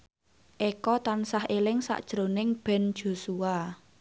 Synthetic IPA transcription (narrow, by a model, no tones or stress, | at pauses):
ʔekɔt̪ansahelɪŋsa̰ʔd̥ʒ̥ɾo̤nɪŋb̥ɛ̤nd̥ʒ̥o̤sua